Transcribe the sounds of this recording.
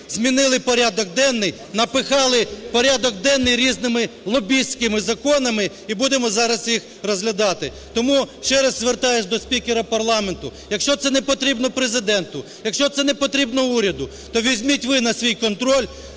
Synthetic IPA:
zʲmʲinɪlˠɪpɔɾʲad̪ɔɡ̚d̪ɛnːɪj | nɐpɪxɑlˠɪpɔɾʲad̪ɔɡd̪ɛnːɪjɾʲiznɪmɪlˠɔbʲisʲkɪmɪzɐkɔnɐmɪ | ibud̪emɔzɑɾɐsjix | rɔzɦlʲɐd̪ɑt̪ɪ | t̪ɔmuʃt͡ʃɛɾɐzːʋert̪ɑjeʃd̪ɔsʲpʲikʲeɾɐpɐrlˠɑment̪ʊjɐkʃt͡ʃɔt̪sɛnɛpɔt̪ɾʲibnɔpɾezɪd̪ɛnt̪ʊ | jɐkʃt͡ʃɔt̪sɛnɛpɔt̪ɾʲibnɔuɾʲɐd̪ʊ | t̪ɔʋʲizʲmʲitʲʋɪnɐsʲʋʲijkɔnt̪ɾɔlʲ

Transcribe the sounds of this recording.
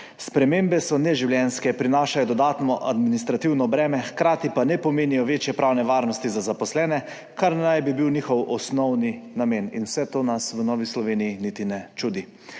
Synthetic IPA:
spɾɛmeːmbɛsɔnɛʒiwljɛnskɛpɾinaːʃajɔd̪ɔd̪aːt̪nɔʔa̰d̪minist̪ɾat̪iwnɔbɾɛːmɛxkɾaːt̪ipanɛpɔmeːnijɔʋeːt͡ʃjɛpɾaːwnɛʋaːɾnɔst̪izazapɔslɛːnɛ | kaɾnajbibiwnixɔwʔɔsnɔwninameːninwsɛt̪oːnasʋwənɔːʋislɔʋeːnijinit̪inɛt͡ʃuːd̪i

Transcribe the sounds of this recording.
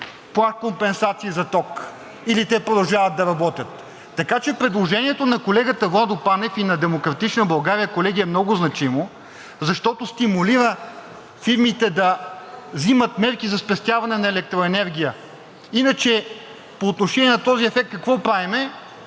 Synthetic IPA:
plˠakompɛnsat̪siːzɐt̪ɔk | ilit̪ɛpɾod̪ɐlˠʒavɐt̪̚d̪ɐɾɐbɔt̪ʲət̪ː | ɐkat͡ʃɛpɾɛd̪lˠoʒɛniɛt̪onɐkolɛɡət̪əvlˠad̪opanɛfinɐd̪ɛmokɾɐt̪it͡ʃnəbɐlˠɡaɾijəkolɛɡiəɛmnɔɡʊznɐt͡ʃimo | zɐʃt̪ɔt̪ost̪imʊliɾə | fiɾmit̪ɛd̪ɐzimət̪mɛɾkizɐspɛst̪ʲjavɐnɛnɐɛlɛk̚t̪ɾoɛnɛɾɡʲijə | inɐt͡ʃɛ | poːt̪noʃɛniɛnɐt̪ɔziɛfɛk̚t̪̚kɐkvɔpɾaɛmɛ

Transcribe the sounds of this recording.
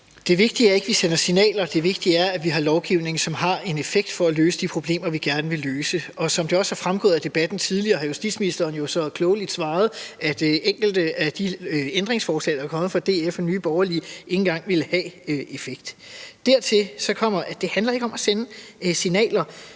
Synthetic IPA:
d̥e̝ʋe̝ɡ̥̚d̥iæɐe̝ɡ̥əʋisen̰ɐsinɛ̰ːlɐd̥e̝ʋe̝ɡ̥d̥iæɐæʋiɦɑ̈lɒʊɡ̥iʊ̰ne̝ŋ̩sɒ̽mɦɑ̈e̝ne̝feɡ̥̚d̥fɒ̽æløːsəd̥ipʰʁo̝b̥le̝̰ːmɐʋiɡ̥æɐnəʋe̝lːøːsəɒ̽sɒ̽md̥e̝ɒ̽shɑ̈fʁamɡ̥ɔ̽ːð̩ˠæd̥e̝b̥æd̥n̩t͡sʰiðˠliɐːhɑ̈jusd̥ḭːd̥sminisd̥ɐːn̩jo̝sɒ̽kʰlɔʊəlid̥sʋɑ̈ːð̞̩ˠʔæd̥eŋ̰ɡ̥l̩d̥əæd̥iend̥ʁeŋsfɒːslɛ̰ːd̥ɑɐkʰɒ̽mð̩ˠfɒd̥e̝̰ːefɒnyːb̥ɒʊɐliʔe̝ŋn̩ɡ̥ɑ̈ŋ̰ʋeləhɛøe̝feɡ̥̚d̥d̥æɐt͡sʰe̝lsɒ̽kʰɒ̽m̰ɐʔæd̥e̝hænlɐe̝ɡ̥əɒ̽mʔæsenəsinɛ̰ːlɐ

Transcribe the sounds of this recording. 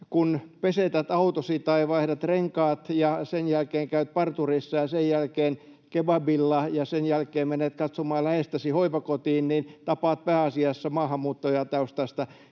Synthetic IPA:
kunpeset̪æt̪ɑut̪osit̪ɑiʋɑihdɑt̪reŋkɑːt̪jɑsenjælkeːŋkæyt̪̚pɑrt̪urisːɑjɑsejjælkeːn | kebɑbilːɑjɑsenjælkeːmmenːet̪kɑt̪somɑːlæhest̪æsihoipɑkot̪iːnnint̪ɑpɑːt̪̚pæːɑsiɑsːɑmɑːhɑmːuːt̪ːojɑt̪ɑust̪ɑst̪ɑ

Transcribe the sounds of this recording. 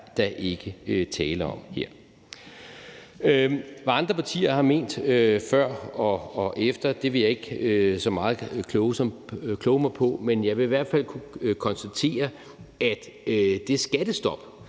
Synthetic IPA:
d̥ɑʔe̝ɡ̥əøt͡sʰɛːləɒ̽mhe̝ɐ̰ | ʋæɑ̈nd̥ʁɐpʰɑ̈t͡sʰḭːɐhɑ̈me̝̰ːnd̥øfɶɐ̰ɒ̽ɒʔefd̥ɐd̥e̝ʋe̝jɑ̈e̝ɡ̥sɒ̽mɑ̈ːð̞̩ˠkʰlɔʊsɒ̽mkʰlɔːʊəmɑ̈ɪpʰɒ̽menjɑ̈ɪʋe̝iʋæɐ̰d̥fæl̰kʰukʰɒ̽nsd̥æt͡sʰe̝̰ːɐ | ʔæd̥ | d̥e̝sɡ̥æd̥əsd̥ɒ̽b̥

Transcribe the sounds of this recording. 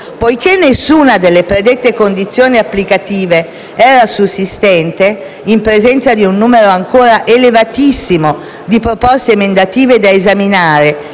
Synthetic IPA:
pojkenːesːuːnad̪elːepɾed̪et̪ːekond̪it̪sːjoːniapːlikat̪iːve | ɛːɾasusːist̪ɛnt̪e | impɾezɛnt̪sad̪iunːuːmeɾoaŋkoːɾaʔelevat̪isːimo | d̪ipɾopɔst̪emend̪at̪iːved̪aezaminaːɾe

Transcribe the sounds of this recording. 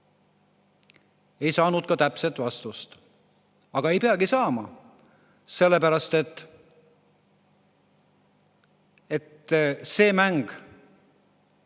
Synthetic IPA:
e̞jsɑːnud̪̥̚kɑt̪æpset̪ːˑvɑst̪ust̪ | ɑɡ̥ɑe̞jpeɑɡisɑːmɑ | se̞lːe̞pæɾɑst̪e̞t̪ːˑ | e̞t̪se̞ːmæŋɡ̥

